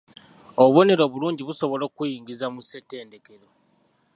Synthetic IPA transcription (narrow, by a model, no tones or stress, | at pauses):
oββo̞ne̞ɾo̞βuluːɲɟiβuso̞βo̞lo̞ːkujiːŋɡizamusete̞ːnde̞ke̞ɾo̞